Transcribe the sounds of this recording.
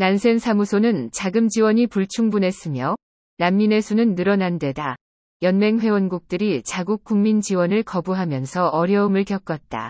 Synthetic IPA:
nansʰe̞nsʰamusʰonɯnt͡ɕaɡɯmd͡ʑiwʌɲipuɭt͡ɕʰuŋbunɦe̞s͈ɯmjʌ | namːine̞sʰunɯnːɯɾʌnandwe̞da | jʌnme̞ŋɸwe̞wʌnɡuk̚t͈ɯɾit͡ɕaɡuk̚k͈uŋmind͡ʑiwʌnɯɭkʌbuɦamjʌnsʰʌʌɾjʌɯmɯɭkjʌk͈ʌt̚t͈a̰

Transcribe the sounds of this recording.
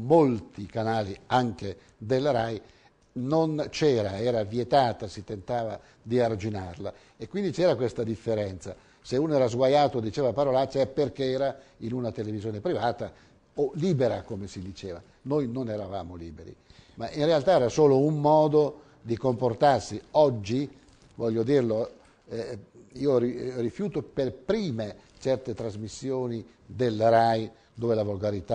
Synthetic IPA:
molt̪ikanaːliaŋk̟e | d̪elːaɾaj | nont͡ʃɛːɾaɛːɾavjet̪aːt̪asit̪ːent̪aːva̰ | d̪iard͡ʒina̰rla | ekːwind̪it͡ʃɛːɾakwest̪ad̪ifːeɾɛnt̪sa̰ | seuːnoɛːɾazɡwajaːt̪od̪ːit͡ʃeːvapaɾolat͡ʃːɛperkeɛːɾainunat̪elevizjoːnepɾivaːt̪a | oliːbeɾakomesid̪it͡ʃeːva̰ | nojnonɛɾava̰ːmoliːbeɾḭmaʔinrealt̪aɛːɾasoːloumːɔːd̪o | d̪ikomport̪arsiɔd͡ʒːi | vɔʎːod̪irlo | ɛiːoririfjuːt̪operpɾiːme | t͡ʃɛrt̪et̪ɾazmisːjoːni | d̪elɾaj | d̪oːvelavolɡaɾit̪a

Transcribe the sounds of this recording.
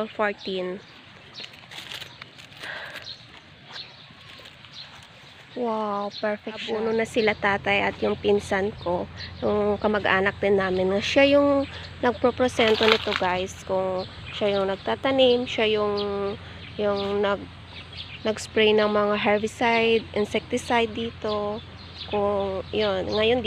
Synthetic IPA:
lfoɹt̪in | wawpɛɹfɛbuːnonɐsɪlat̪aːt̪ɐjʔɐ̰t̪jʊŋpɪnsanko̞jʊŋkɐmɐɡʔaːnɐk̚d̪ɪnːaːmɪnŋɐʃajʊŋ | nɐɡ̚pɾopɾosɛnt̪onɪt̪o̞ɡajskʊŋ | ʃajʊŋnɐɡ̚t̪at̪ɐnɪmʃajʊŋ | jʊŋnɐɡ̚ | nɐɡspɹɛjnɐŋmɐŋaɦɛɹvɪsajd̪ʔɪnsɛk̚t̪ɪsajd̪ːiːt̪o̞ | kʊŋjonŋɐjo̞nd̪

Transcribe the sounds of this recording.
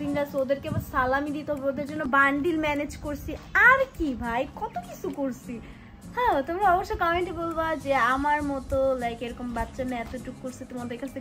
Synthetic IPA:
iɳɖasod̪eɾkebasalamid̪it̪eɦabɾod̪eɾd͡ʑonːobaɳɖilmɛned͡ʑkoɾt͡ɕʰiaɾkibʱajkɔt̪okit͡ɕʰukoɾt͡ɕʰi | hɛ̃t̪omɾaɔboʃːokameɳʈibolbad͡ʑeamaɾmɔt̪olajkeɾɔkombatːʃamɛ̃ɛt̪oʈukːoɾsʰit̪omad̪eɾkat͡ɕʰt̪ʰe

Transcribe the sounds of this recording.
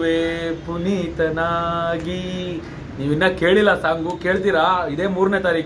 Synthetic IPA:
ʋeːpunit̪ɐnaːɡi | niːʋinːɐke̞ːɭilːɐsaːŋɡuke̞ːɭt̪̬iːɾaid̪e̞ːmuːɾnet̪aːɾiːk

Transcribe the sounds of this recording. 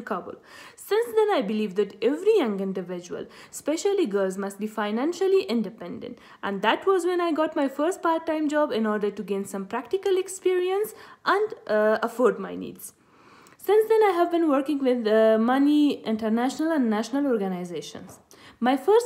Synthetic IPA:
kʰʌbə̰lsɪ̃nsd̪ɛ̃naɪbɪliːʋd̪æʈɛʋɾijʌ̃ŋɡɪ̃nɖɪʋɪd͡ʒuə̰l | spɛʃəliɡəlzmʌsʈ̚biːfaɪnæ̃nʃəliʔɪ̃nɖɪpɛ̃nɖə̰̃nʈ | ʔæ̃nɖd̪æʈʋɔzwɛ̃naɪɡɔʈmaɪfəɾsʈ̚paɾt̚ʈːãɪ̃md͡ʒɔːbɪ̃nɔːɾɖəɾʈuɡẽːnsʌ̃mpɾækʈɪkəlɛkspiɾiə̃nsʔæ̃ɳɖəfɔːɾɖmaɪnḭːdz̥ | sɪ̃nsd̪ɛ̃naɪɦævbɪ̃nʋəɾkɪ̃ŋɡwɪðmʌniʔɪ̃nʈəɾnæʃənəlæ̃nɖnæʃnəlɔːɾɡənaɪzeːʃə̰̃ns | maɪfəɾs

